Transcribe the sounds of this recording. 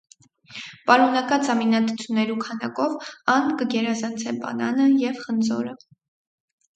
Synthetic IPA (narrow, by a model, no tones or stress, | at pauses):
pɑɾunɑkɑt͡sɑminɑt̪t͡sʰunɛɾukʰɑnɑkɔvɑnkəɡɛɾɑzɑnt͡sʰɛbɑ̰nɑ̰nəjɛvχənd͡zɔ̰ɾə